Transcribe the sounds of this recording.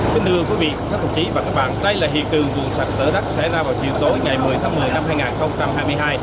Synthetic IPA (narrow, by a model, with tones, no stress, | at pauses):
fi˧˦nɗɨ˧əŋvu˧˩əvḭ˧˨˧kaː˦˥k̪̚ʊ˨˩t͡ɕi˨˦vaː˨˩kaː˦˥k̚ɓa̰ː˧˨nɗə˧jlaː˨˩ɦḭ˨˩ək̚t͡ɕɨ˨˩əŋvṵ˧˨swa˨˩t̚zəː˧˦ɗa˦˥t̚sɛ̰˧˥zaː˧vaː˨˩wt͡ɕḭ˧˨əwt̪o˨˦jŋa˨˩jmɨ˨˩əjt̪ʰaː˨˦ŋmɨ˨˩əjna˧mɦaː˧jŋaː˨˩nxə˧wŋ͡mt͡ɕa˧mhaː˧jmɨ˧əjɦaː˧j